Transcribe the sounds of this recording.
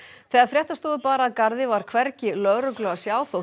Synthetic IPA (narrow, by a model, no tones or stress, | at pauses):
θɛːaɾfɾjɛht̪ast̪oːðʏpaːɾaːðkaɾðɪvaɾ̥kʰvɛɾcɪlœɣɾœklœɣasjaːwθow